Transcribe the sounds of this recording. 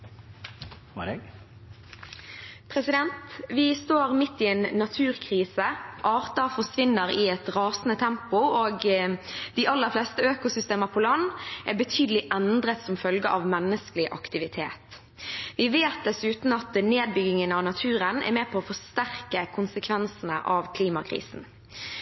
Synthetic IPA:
pʰɾɛsɪd̪ɛnt̪ʋɪst̪oːʁmɪt̪ːɪɛnːɑt̪ʰʉːɾkʰʁiːsəʔɑːʁt̪ɑfɔʂʋɪnːəɾɪɛt̪ʁɑːsn̩ət̪ʰɛmpʊoːɡ | d̪̥ɪʔɑlːəɾfleːst̪əøːkʊsʏst̪eːməʁpʰɔlɑnːʔɛbət̪ʰyːd̪əlɪʔɛnd̪ʁət̪sɔmfœlɡəʔɑʋmɛnːəskəlɪʔɑ̰kt̪ɪʋɪt̪ʰeːt̪ | ʋɪʋeːt̪̚d̪ɛsʉːt̪n̩ɑt̪neːd̪̚bʏɡɪŋənɑʋnɑt̪ʰʉːɾənɛ̰ɾmɛːpʰɔːfɔʂt̪æɾkəkʰʊnsəkʰʋɛnsnə̰ʔɑʋkʰliːmɑkʰʁḭːsn̩

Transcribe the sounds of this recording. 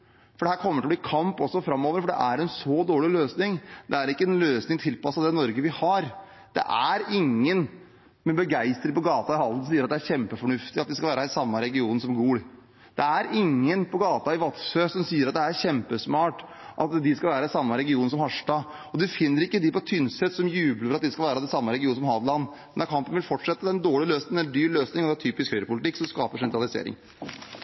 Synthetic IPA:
fɔɖɛhæːɾkʰɔmːəʈʰɪlɔbliːkʰɑmpɔsːɔfɾɑmːoːʋəɾfɔɖɛ̰ʔæɾɛnsɔd̪oːɭɪløːsnɪŋd̪ɛæɾɪkːəɛnløːsnɪŋt̪ʰɪlpʰɑsːɑd̪ɛɪnɔɾɡəʋɪhɑɾ | d̪̥ɛ̰ʔæɾɪŋːən | mɛbəɡæɪst̪ɾɪŋpɔɡɑːt̪ɑɪhɑlsɔmsiːəɾɑt̪̚d̪ɛæɾçɛmpəfɔɳʉft̪ɪɑt̪̚d̪ɪskɑlʋæːɾɑɪsɑmːɑɾɛɡɪuːnsɔmɡuːɽ | d̪̥ɛæɾɪŋːənpʰɔɡɑːt̪ɑɪʋɑt̪føːsɔmsiːəɾɑt̪̚d̪ɛæɾçɛmpəsmɑːʈ | ʔɑt̪d̪ɪskɑʋæːɾəɪsɑmːəɾɛɡɪuːnəsɔmhɑʂʈɑ | ɔd̪ɪfɪnːəɾɪkːəd̪ɪpɔt̪ʰʏnsɛt̪sɔmjʉːbləɾɾɑt̪d̪ɪskɑlʋæːɾəd̪ɛnsɑmːəɾɛɡɪuːsɔmhɑːd̪lɑnːmɛnɑɾkʰɑmpənʋɪlfɔʈʂɛt̪ːəɛnd̪oːɭɪløːsnɪɛd̪yːɾløːsnɪŋɔd̪ɛt̪ʰyːpɪskhœʏɾəpʊlɪt̪ɪkːsɔmskɑːpəʂɛnt̪ɾɑlɪsḛːɾɪ̰ŋ

